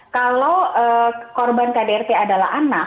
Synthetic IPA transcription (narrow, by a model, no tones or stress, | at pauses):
kalowəːkɔrbankadeɛrt̪eadalaana